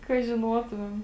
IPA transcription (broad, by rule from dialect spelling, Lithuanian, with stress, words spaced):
kɐ ʒʲɪˈnuɔtʊmʲɛm